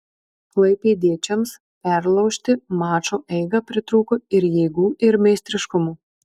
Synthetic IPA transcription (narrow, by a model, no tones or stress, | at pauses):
klˠɐɪpʲeːd̪ʲiɛt͡ʃʲɛms | pʲæɾlˠɐʊʃʲt̪ʲɪmɑːt͡ʃoːʔɛɪɡɐpʲɾʲɪt̪ɾuːkoɪɾjɛɪɡuːʔɪɾmʲɛɪsʲt̪ʲɾʲɪʃkʊmuː